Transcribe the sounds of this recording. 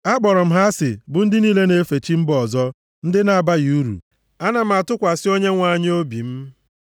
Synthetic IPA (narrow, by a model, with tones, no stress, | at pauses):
a˦ɡ͡bɔ˨ɾɔ˨m̩˦ɦa˦sɪ˨bʊ˨n̩˦dɪ˦niː˦le˦ne˦fe˨t͡ʃi˦m̩˦bɔ˨zɔ˦ | n̩˦dɪ˦na˨a˨ba˦ju˦ɾṵ˨ | a˦na˨m̩˨a˨tʊ˦kʷa˨sɪ˦o˦ɲe˦ŋʷa˦˨ɲ˦o˦bi˨m̩˦